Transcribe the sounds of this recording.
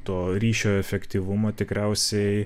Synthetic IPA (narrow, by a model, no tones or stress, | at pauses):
t̪oːɾʲiːʃʲoːɛfʲɛkt̪ʲiːʋʊmoːt̪ʲɪkɾʲæˑʊsʲɛɪɪ